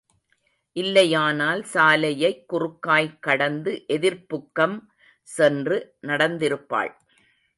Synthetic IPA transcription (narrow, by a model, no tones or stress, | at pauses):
ʔɪlːɐjaːnaːlsaːlɐjɐɪkːʊrʊkːaːjkːɐɽɐnd̪ɯʔɛðɪɾpʊkːɐm | sɛndrɯnɐɽɐnd̪ɪɾɯpːa̰ːɭ